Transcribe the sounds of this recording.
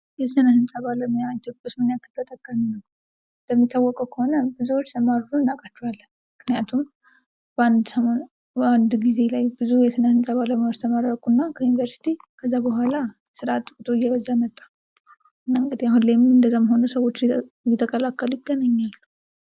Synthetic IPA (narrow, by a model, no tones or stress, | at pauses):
jɛsɨnəhɨnsʼəβaləməjat̪ʰːopbɨsmɨnjakʰːɨ̥t̪ʰːət̪ʼːəkʼːəminːəw | ləmːit̪ʰːawːɔkʼəwkʰəho̞nəbɨzuwot͡ʃːləmaɾɾunːakʼat͡ʃːualːə | mːɨknijat̪ʰum | band̪səmon | and̪ɡize̞lajbɨzujɛsɨnəhɨnsʼəβaləməoɾt̪ʰəmaɾːəkʼunːakʰəjunivəɾsi̥t̪ʰikʰəzːabəɦʷala | sɨɾat̪ːkʼut̪ʰʼojːɛβəzːajmət̪ʼːḁ | ɨnːaɨŋɡɨd̪iaɦunlemɨnɨnd̪əzːaməɦo̞nusəwo̞t͡ʃː | jɛt̪ʰːəkʼəlakːəlujɪɡənəɲːalːu